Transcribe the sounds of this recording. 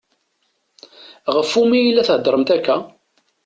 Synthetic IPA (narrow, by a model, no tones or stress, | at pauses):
ʁəfːumijilːæθhəd̪ɾˤəmt̪ækːæ